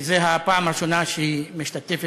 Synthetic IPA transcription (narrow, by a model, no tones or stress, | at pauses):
zeɦapamaʃunaʃimeʃt̪at̪ifi